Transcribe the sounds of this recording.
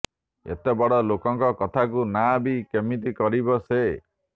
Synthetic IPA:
ḛt̪ebɔɽɔlokɔŋkɔkɔt̪ʰakunabikemit̪ikɔɾibɔse

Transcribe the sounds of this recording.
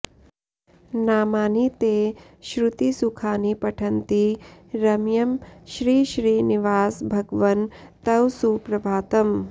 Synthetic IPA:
naːmaːnit̪eː | ʃɾut̪isukʰaːnipɐʈʰɐnt̪iɾɐmjɐmʃɾiːʃɾiːniʋaːsbʱɐɡʋɐnt̪ɐwsuːpɾɐbʱaːt̪ɐm

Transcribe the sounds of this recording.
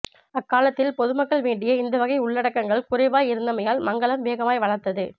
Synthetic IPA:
ɐkːaːlɐt̪ːɪlpɔðɯmɐkːɐɭʋeːɳɖɪjɐɪnd̪ɐʋɐɣɐɪʊɭːɐɽɐkːɐŋɡɐɭkʊrɐɪʋaːjɪɾɯnd̪ɐmɐjaːlmɐŋɡɐɭɐmʋeːɣɐmaːjʋɐɻɐɾt̪ɐðɯ

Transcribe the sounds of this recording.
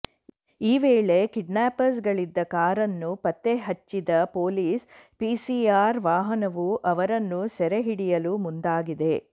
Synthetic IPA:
iːʋeːɭe̞kiɖnaːpɐɾs̬ɡɐɭid̪ːɐkaːɾɐnːupɐt̪ːeɦɐt͡ʃːid̪ɐpo̞ːliːspiːsiaːɾʋaːɦɐnɐʋuʔɐʋɐɾɐnːusɛɾeɦiɽijɐlumund̪aːɡid̪e̞

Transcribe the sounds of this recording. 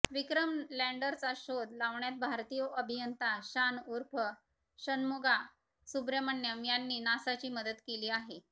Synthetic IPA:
ʋikɾəmlæɳɖəɾt͡saɕod̪laʋɳjat̪̚bʱaɾt̪ijəʔəbʱijənt̪aɕanuɾpʰə | ɕənmuɡa | subɾjəməɳːjəmjanːiːnasat͡ɕiːməd̪ət̪keliːaɦe

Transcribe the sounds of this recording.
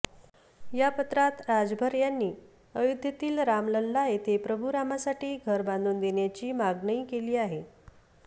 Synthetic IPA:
japət̪ɾat̪ɾad͡zbʱəɾjanːiː | əjud̪ʱjət̪iːlɾamləlːaet̪ʰepɾəbʱuɾamasaʈiːɡʱəɾband̪ʱuːnd̪eɳjat͡ɕiːmaɡɳəiːkeliːaɦe

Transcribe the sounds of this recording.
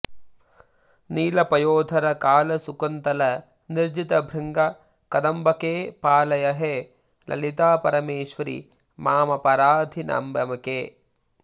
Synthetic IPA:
niːlɐpɐjoːd̪ʱɐɾɐkaːlɐsukɐnt̪ɐlɐ | niɾd͡ʒit̪ɐbʱɾɐŋɡɐ | kɐd̪ɐmbɐkeːpaːlɐjɐɦe | lɐ̰lit̪aːpɐɾɐmeːʃʋɐɾḭ | maːmɐpɐɾaːd̪ʱina̰ːmbɐmɐkeː

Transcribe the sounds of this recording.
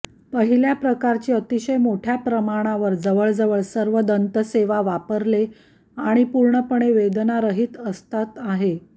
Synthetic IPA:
pəɦiljapɾəkaɾt͡ɕiːət̪iɕəjmoʈʰjapɾəmaɽ̃aʋəɾd͡zəʋəɭd͡zəʋəɭsəɾʋəd̪ənt̪əseʋaʋapəɾle | aɽ̃ipuɾɳəpəɳ̃eʋed̪naɾəɦiːt̪əst̪at̪aɦe

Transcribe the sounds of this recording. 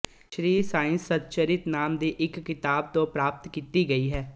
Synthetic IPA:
ʃɾiːsaːɪ̃nsːət̪̚t͡ʃəɾɪt̪naːmd̪iːʔɪkːɪt̪aːb̚t̪õːpɾaːp̚t̪kiːt̪iːɡəiːɦɛː

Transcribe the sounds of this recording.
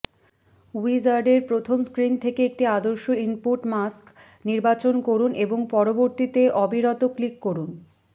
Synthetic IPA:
uizaɾɖeɾpɾot̪ʰomskɾint̪ʰekeek̚ʈiad̪oɾʃoimpuʈmask | niɾbat͡ɕonkoɾunʔeboŋpɔɾoboɾt̪it̪eʔɔbʱiɾɔt̪oklikːoɾun

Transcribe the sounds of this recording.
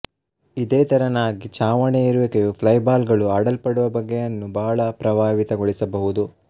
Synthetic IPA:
id̪eːt̪ɐɾɐnaːɡit͡ʃaːʋɐɳeiɾuʋɐkejupʰlɐjbaːlɡɐɭuaːɽɐlpɐɽuʋɐbɐɡːɛjɐnːubɐɦɐɭɐpɾɐʋaːʋit̪ɐɡoɭisɐbɐɦud̪u

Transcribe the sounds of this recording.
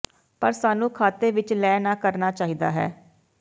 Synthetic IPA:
pəɾsaːnũːkʰaːt̪eːʋɪt͡ʃlɛːnãːkəɾnaːt͡ʃaːɦiːd̪a̰ːɦɛ̰ː

